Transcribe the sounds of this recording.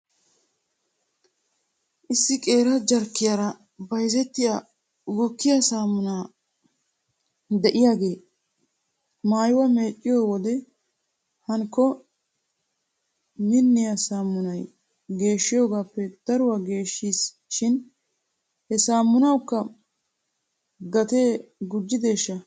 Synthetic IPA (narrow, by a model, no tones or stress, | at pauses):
ʔɪsːɪkʼe̞ːɾɐd͡ʒɐɾkːɪjaːɾɐ | bɐjzɛt̪ːɪja | ɡɔkːɪjasaːmːʊnaː | d̪ɛʔɪjaːɡe̞ː | maːjɪwɐme̞ːt͡ʃʼːɪjo̞ːwɔd̪ɛ | hɐŋkːɔ | mɪnːɪjasaːmːʊnɐj | ɡe̞ːʃːɪjo̞ːɡaːpːɛd̪̥ɐɾʊwaɡe̞ːʃːiːs | ʃɪn | hɛsaːmːʊnɐwkːɐ | ɡɐt̪e̞ːɡʊd͡ʒːɪd̪e̞ːʃːɐ